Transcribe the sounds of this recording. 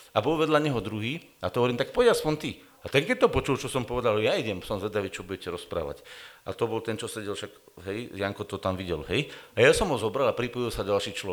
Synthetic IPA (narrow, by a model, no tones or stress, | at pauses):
abɔlʋɛd̪laɲɛɦɔd̪ɾuɦiːat̪ɦɔʋɔɾiːmt̪ak̚pɔɟjasfɔnt̪i | at̪ɛŋkɛc̚t̪ɔpɔt͡ʃult͡ʃɔsɔmpɔʋɛd̪aljaiɟɛmsɔmzʋɛd̪aʋiːt͡ʃɔbuɟɛcɛɾɔspɾa̰ːʋa̰ca̰t̪ɔbɔlt̪ɛnt͡ʃɔsɛɟɛlʃaɡɦɛjjaŋkɔt̪ɔt̪amʋiɟɛ̰lɦɛjajasɔmɦɔzɔbɾalapɾipɔjilsaɟalʃiːt͡ʃlɔ